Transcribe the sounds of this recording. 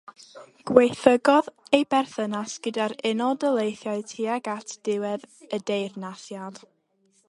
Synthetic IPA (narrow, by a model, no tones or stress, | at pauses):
ɡ̥wejθəɡɔðejbɛrθənasɡ̥ədaɾɪnɔdəlˠejθjaɨtʰiaɡatʰd̥ɪwɛðədejrnaθjad̥